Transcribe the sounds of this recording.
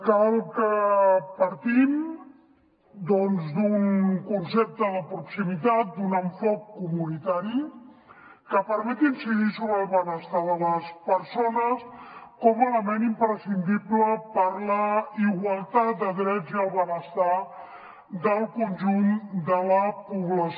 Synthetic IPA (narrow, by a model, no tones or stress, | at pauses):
kalˠkəpəɾt̪im | d̪ɔnzd̪unkunsɛp̚t̪əðəpɾuksimit̪at̪̚d̪unəɱfɔk̚kumunit̪aɾi | kəpəɾmɛt̪insiɣisuβəlˠβənəst̪aðələspəɾsonəskɔmələmenimpɾəsind̪iβləpəɾləiɣwəlˠt̪at̪̚d̪əðɾɛd͡ziəlˠβənəst̪a | d̪əlˠkunʲʒund̪ələpuβləs